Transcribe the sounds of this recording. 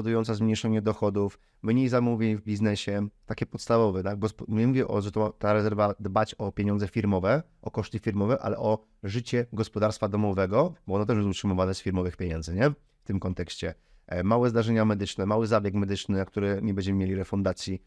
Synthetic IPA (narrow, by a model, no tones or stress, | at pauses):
ɔd̪ujɔnt̪sazmɲejʂɛɲɛd̪ɔxɔd̪uf | mɲejzamuvʲeɲvbʲiznɛɕɛt̪akʲɛpɔt̪st̪avɔvɛt̪aɡ̚ɡɔspmɲɛmuvʲɛʔɔ̰ʐɛt̪ɔt̪aɾɛzɛɾvad̪bat͡ɕɔpʲjeɲɔnzɛfʲiɾmɔvɛ | ʔɔkɔʂt̪ɘfʲiɾmɔvɛʔa̰lɛ̰ʔɔ | ʐɘt͡ɕɛɡɔspɔd̪aɾst̪fad̪ɔmɔvɛɡɔbɔɔnɔt̪ɛʐbɛsutʂɨmɔvanɛsfʲiɾmɔvɘxpʲjeɲɛnd̪zɘɲɛ | ft̪ɘmkɔnt̪ɛkɕt͡ɕɛ | mawɛzd̪aʐɛɲamɛd̪ɘt͡ʂnɛmawɘzabʲjɛkmɛd̪ɘt͡ʂnɘak̚t̪uɾɛɲɛbɛɲd͡ʑɛmɘmjelʲiɾɛfund̪at̪sʲji